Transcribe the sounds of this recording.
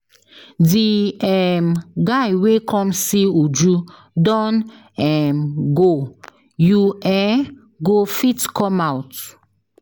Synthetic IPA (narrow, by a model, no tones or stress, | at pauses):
diɛmɡajwekʰɔ̃msiud͡ʒu | dɔ̃n | ɛmɡo | juɛ | ɡofitkʰɔ̃mawt